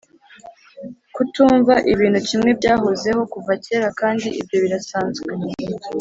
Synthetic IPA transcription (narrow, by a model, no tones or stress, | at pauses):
kutuːɱvaʔiβiːn̥hucimŋe̞bɟaːɦoze̞ho̞kuvace̞ːɾakaːndiʔibjo̞βiɾasaːnzɡwe